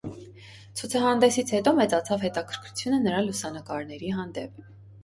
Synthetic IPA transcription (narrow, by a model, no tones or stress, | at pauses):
t͡sʰut͡sʰɑɦɑnd̪ɛsit͡sʰhɛt̪ɔmɛt͡sɑt͡sʰɑvhɛt̪ɑkʰəɾkʰɾut͡sʰjunənəɾɑlusɑnəkɑɾnɛɾiɦɑnd̪ɛp̚ʰ